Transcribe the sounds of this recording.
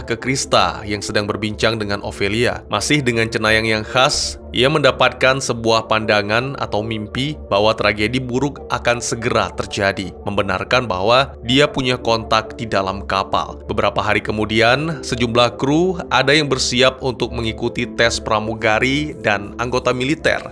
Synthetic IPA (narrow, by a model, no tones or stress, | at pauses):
kəkɾist̪a̰jaŋsədaŋbərbiɲt͡ʃaŋdəŋanʔo̰felia̰mʔasɪhdəŋant͡ʃənajaŋjaŋhas | ʔḭjaməndapat̪̚kansəbuahpandaŋana̰t̪awmimpibaɦwat̪ɾaɡedibuɾʊkakansəɡəɾat̪ərd͡ʒadiməmbəna̰rkanba̰ɦwadiapuɲakɔnt̪ak̚didalamkapa̰lb̥əbəɾapaɦaɾikəmudiansəd͡ʒumlahkɾuʔadajaŋbərsiap̚unt̪ʊk̚məŋikut̪it̪ɛspəɾamuɡaɾidanaŋɡot̪amilit̪ɛ̰r